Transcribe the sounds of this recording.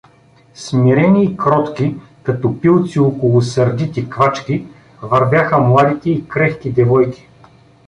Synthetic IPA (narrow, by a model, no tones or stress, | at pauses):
smiɾɛniːkɾɔt̪ki | kɐt̪ɔpilˠt̪siokolˠʊsɐɾd̪it̪ikvat͡ʃkʲi | vɐɾvʲjaxəmlˠad̪it̪ɛikɾɛxkid̪ɛvɔjk̟ʲi̥